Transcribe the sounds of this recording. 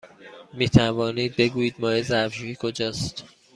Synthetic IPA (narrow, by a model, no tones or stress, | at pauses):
miːt̪ʰævɒːniːd̪̚be̞ɡuːjiːd̪̚mɒːjezævʒuːhikʰo̞d͡ʒɒːst̪